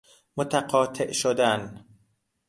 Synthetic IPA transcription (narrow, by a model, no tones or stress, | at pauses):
mot̪ʰæqɒːt̪ʰeʔʃod̪æn